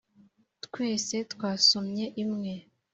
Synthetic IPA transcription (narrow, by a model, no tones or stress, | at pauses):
t̪kwe̞ːse̞t̪kwaːsomɲe̞ʔimŋe̞